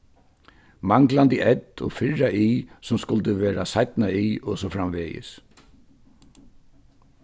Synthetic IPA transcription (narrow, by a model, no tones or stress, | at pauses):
maŋklant̪iʔɛt̪ɔ̰fɪɹaʔiːsʊmskʊlt̪əʋeːɾasajt̪naiːʔɔsɔfɾamʋeːjɪ̰s